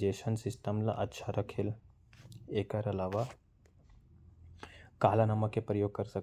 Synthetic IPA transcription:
d͡ʒeːʃənsɪsʈəmlɐ̰ʔɐtːʃʰaɾɐkʰɪl | eːkɐɾɐlaːʋa | kaːlanɐməkːepɾəjoːɡ̚kɐɾsɐ

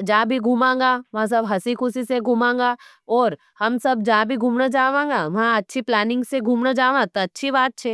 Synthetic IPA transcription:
d͡ʒaːbʱiɡʱuːmãːŋɡaʋɐɦãs̬ɐbɦɐsikʰʊsiseɡʱuːmãːŋɡaː | ɔːɾ | hɐmsɐbd͡ʒaːbʱiɡʱuːmnad͡ʒaːʋãːŋɡaʋɐɦãɐtːʃʰiplɛːnɪ̃ŋɡseɡʱuːmnad͡ʒaːʋãt̪oɐtːʃʰibaːt̪̚t͡ʃʰeː

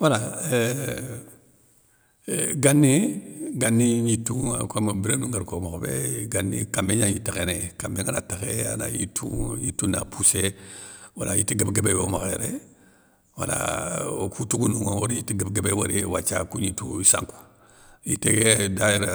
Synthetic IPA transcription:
wala | ɡanːiɡanːiɲituakomabiɾenuŋɡaɾkomoxobeɡanːikambeɲaŋjitakenekambeŋanataxea̰na̰jḭtʰṵɲitunapʰuse | walajitiɡebɡebewomaxeɾḛ | wala̰kʰutuɡunuŋowoɾijitiɡebɡebewaɾiwat͡ʃakuɲituisa̰ŋku̥ | jiteɡedajeɾa

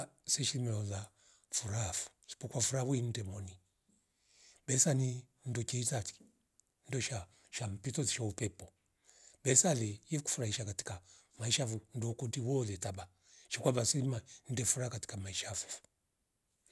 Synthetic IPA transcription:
sɛʃimɛɔla | fuɾafu̥si̥pɔkwafuɾaβuin̩dɛmɔni | bɛsani | n̩dɔt͡ʃɛitati̥ | ndɔʃa | ʃam̩pitɔziʃaupɛpɔ | bɛsalɛjɛku̥fuɾaiʃakati̥ka | maiʃafundɔkudiwɔlɛtaba | ʃikwabasɛman̩dɛfuɾakati̥kamaiʃafufu̥

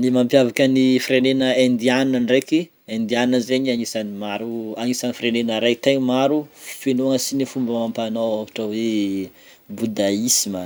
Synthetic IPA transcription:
nimampjavakənifiɾenenəend̪ianinanreki | end̪ianinəzeɲiaɲisanimaɾuaŋisanifiɾenenəɾajt̪eɲmaɾufenuaŋəsinifumbəmampanowavaʈ͡ʂawe | bud̪aisimə

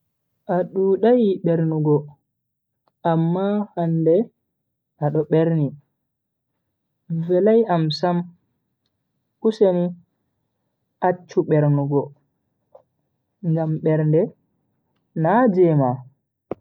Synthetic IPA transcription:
ʔaɗuɗajɓɛɾnuɡɔ | ʔamːahandɛ | aɗɔɓɛɾni | vɛlajamsam | kuseni | at͡ʃːuɓɛɾnuɡɔ | ŋɡamɓɛɾndɛ | nad͡ʒɛma

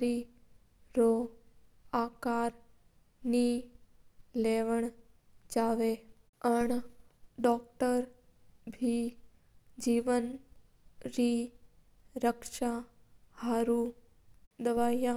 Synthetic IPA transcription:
ɾi | ɾo | akaɾ | ni | leʋəɳ | d͡ʒaʋe | əɳɖɔk̚ʈəɾ | bʱi | d͡ʒiːʋən | ɾi | ɾəkʃahaɾu | d̪əʋaja

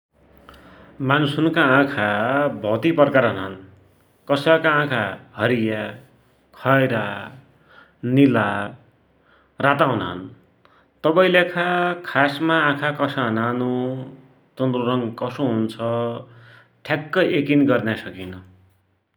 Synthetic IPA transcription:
manusunkaãkʰabʱʌt̪ipʌrkaɾɦʌnaɦʌn | kʌsakaãkʰahʌɾija | kʰʌjɾa | nila | rat̪aɦunaɦʌ̰n | t̪ʌbʌĩlekʰakʰasmãːkʰakʌsaɦʌnanu | t͡sʌnd̪ruɾʌŋɡkʌsoɦunt͡sʰʌ | ʈʰjakːʌʔekinɡʌrnasʌkinʌ

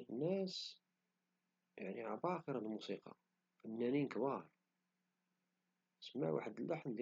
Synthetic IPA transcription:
ənːæs | jaʕniʕabɑxiɾˤɑnəlmusiqɑ̰ | fənːæninkwɑɾˤ | səmːæ̰wa̰ħəd̪əlːʔaħnd̪

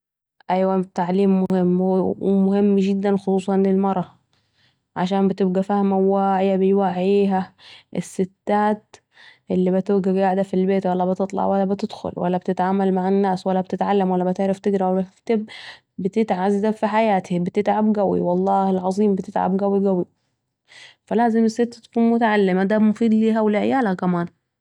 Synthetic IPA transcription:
ʔæjwæt̪ːaʕliːmːohɪmːwmohemːɡɪd̪ːænxosˤuːsˤɑnelmɑɾˤɑ | ʕaʃaːmbet̪ɪb̚ɡæfæhmæwaʕjabejwaʕjiːɦæʔesːɪt̪ːaːt̪̚ | ʔɪlːibɪt̪oɡæɡaʕd̪afilbeːt̪wælːæbɪt̪ɨt̪ˤlɑ̰ʕwælːæbɪt̪ɪd̪xʊ̰lwʔæ̰lːæbt̪ɪt̪ʕaːmalmaʕɪnːaːswælːæb̚t̪ɪt̪ʕalːamwælːæbɪt̪eʕɾaft̪ɪɡɾɑwt̪ɪb | bɪt̪ɪt̪ʕazːabfiħajaːt̪hibɪt̪ɪt̪ʕabɡæwḭwɑlˤːɑːhɪlʕɑzˤiːmbɪt̪ɪt̪ʕa̰bɡæwiɡæwi | fælaːzɪmɪsːɪt̪ːat̪kuːnmʊt̪aʕalːɪmad̪æmʊfiːd̪liːɦæwlɪʕejaːlhækæmaːn

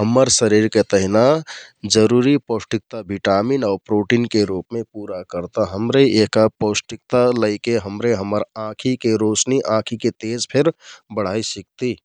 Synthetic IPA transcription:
ɦəmːəɾsəɾiɾket̪əɦinad͡ʒəɾuɾiposʈik̚t̪abʱiʈaminɔːɾpɾoʈinkeɾupmepuɾakəɾt̪aɦəmɾeekaposʈik̚t̪aləɪkeɦəmɾeɦəmːəɾãkʰikeɾosniʔãkʰiket̪ed͡ʒpʰeɾbəɽ̤aisik̚t̪i

